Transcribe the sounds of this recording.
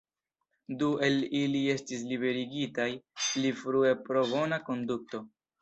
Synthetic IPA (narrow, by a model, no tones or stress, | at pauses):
due̞lilie̞stis̬libe̞ɾiɡitajlifɾue̞pɾo̞vo̞nako̞nduk̚to̞